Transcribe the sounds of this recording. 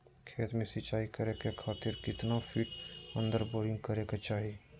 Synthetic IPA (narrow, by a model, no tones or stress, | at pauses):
kʰeːt̪mẽsɪt͡ʃaːikəɾekekʰaːt̪ɪɾkɪt̪napʰiːʈə̃nd̪əɾboːɾɪ̃ŋɡkəɾeket͡ʃaːɦi